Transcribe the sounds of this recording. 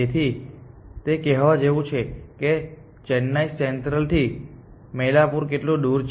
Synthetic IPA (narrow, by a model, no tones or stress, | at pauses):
et̪ʰi | t̪ekɛɦʋad͡ʒeʋũt͡ʃʰeke | t͡ʃɛnːaisɛnt̪ɾəlt̪ʰi | mɛlapuɾkeʈlũd̪uɾt͡ʃ